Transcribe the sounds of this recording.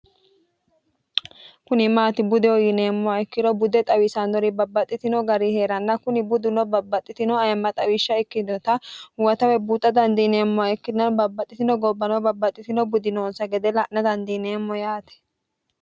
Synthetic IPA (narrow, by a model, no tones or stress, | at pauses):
kʊnɪmaːt̪ɪbʊd̪ɛwɔjɪneːmːɔɐɪkːɪɾɔbʊd̪ɛt̪ʼɐwɪsɐnd̪ɔɾɪbɐbːɐt̪ʼːɪt̪ɪnɔɡɐɾiheːɾɐnːɐkʊnɪbʊd̪ɪnɔbɐbːɐt̪ʼːɪt̪ɪnɔɐjmːɐt̪ʼɐwɪʃːɐɪkːɪd̪ɔt̪ɐwɐt̪ɐwɛbuːt̪ʼːɐd̪ɐnd̪ineːmːɔaɪkːɪnɐnbɐbːɐt̪ʼːɪt̪ɪnɔɡɔbːɐnɔbɐbːɐt̪ʼːɪt̪ɪnɔbʊd̪ɪnoːnsɐɡɛd̪ɛlɐʔnɐd̪ɐnd̪iːneːmːɔjaːt̪ɛ̥